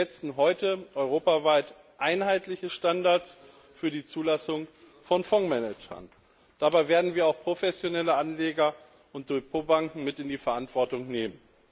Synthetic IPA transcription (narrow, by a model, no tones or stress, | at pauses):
ɛt͡sn̩ɦɔʏtəʔɔʏʁ̞oːpavaɪt | ʔaɪnɦaɪtlɪçəʃtandaɐt͡s | fyːɐdiːt͡suːlasʊŋ | fɔnfɔŋmɛnɛd͡ʒɐ̰n | d̥aːbaɪveːɐdn̩viːɐaʊxpʁ̥ofɛsjonɛləʔanleːɡɐ | ʔʊnt̚d̥ʊɐçpʰoːbaŋkŋ̩mɪtɪndiːfɛɐʔantv̥ɔɐtʊŋneːmən